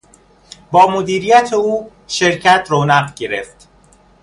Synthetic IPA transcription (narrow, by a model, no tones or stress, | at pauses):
bɒːmod̪iːɾijæt̪ʰeuː | ʃe̞ɾcʰæt̪ʰɾoːnæɢɟe̞ɾeft̪